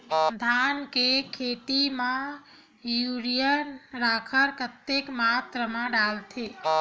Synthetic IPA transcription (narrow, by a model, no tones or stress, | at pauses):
d̪ʱankekʰet̪imã | juɾijənɾakʰəɾkət̪ːekmat̪ɾəmãɖalt̪ʰe